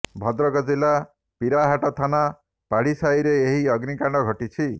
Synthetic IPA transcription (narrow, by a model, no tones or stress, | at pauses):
bʱʌd̪ɾʌkɔd͡zilːa | piɾaɦaʈɔt̪ʰana | paɽisajɾeeɦiʌɡnikaɳɖʌɡʱʌʈit͡sʰi